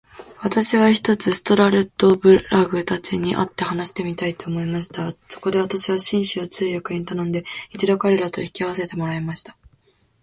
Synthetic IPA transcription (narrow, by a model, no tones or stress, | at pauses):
β̞at̪aɕiβ̞açi̥t̪o̞t͡sɨsɨ̥t̪o̞ɾaɾe̞t̪ːo̞bɯ̟ɾaɡɯ̟t̪at͡ɕiɲ̟iʔa̰t̪ːe̞hanaɕi̥t̪e̞mʲit̪ait̪o̞ːmo̞imaɕi̥t̪aso̞̥ko̞d̪e̞β̞at̪aɕiβ̞aɕĩɰ̃ɕiot͡sɨːjakɯ̟ɲ̟it̪anõ̞nd̪e̞it͡ɕid̪okaɾe̞ɾat̪o̞̰ikʲiaβ̞ase̞t̪e̞mo̞ɾaemaɕi̥t̪ḁ